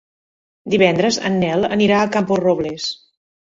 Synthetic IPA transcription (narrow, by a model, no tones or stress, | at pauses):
d̪iβɛnd̪ɾəzə̰nːɛlˠə̰niɾaəkamporoβles